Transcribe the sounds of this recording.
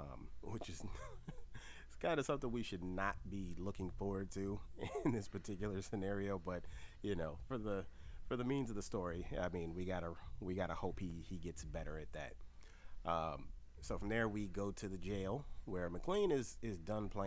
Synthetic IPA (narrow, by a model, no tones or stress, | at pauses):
ʌ̰̃mwɪt͡ʃɨz | skʰãɪ̃ndɨsʌ̃mθɪ̃ŋwiʃɨdⁿnət̚b̥ilʊkɪ̃ŋfɔɹwə˞d̚tʰʉɪ̃nðɪspʰə˞tʰɪkjl̩ˠə˞sɨnɛɹioʊbʌt̚jɨnoʊfə˞ðɨfə˞ðɨmĩnzʌvðəstɔɹia̰ɪmĩnwiɡɑɾəwiɡɑɾəhoʊphiiɡɛtsb̥ɛɾə̰˞ɨt̪̚ðɨ̰t̚ | ʔʌ̃m | soʊfɹʌ̃mðə˞wiɡoʊɾɨðɨd͡ʒeɪlˠwə˞mɨkʰl̥ẽɪ̃nɪzɪzdʌ̃npʰl̥ẽ